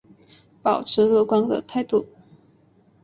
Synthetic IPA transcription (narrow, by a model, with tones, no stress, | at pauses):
pɑ˨˩ʊʈ͡ʂʰɻ̩˧˥lɤ˥˧kwɑ˥ŋd̪ə̰˨t̪ʰa˥˧ɪt̪u˥˩